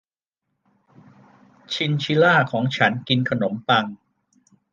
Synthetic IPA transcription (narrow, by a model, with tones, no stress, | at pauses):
t͡ɕʰi˧nt͡ɕʰi˦˥laː˥˩kʰɔː˩˦ŋt͡ɕʰa˦˥nki˧nkʰa˧no˩˦mpa˧ŋ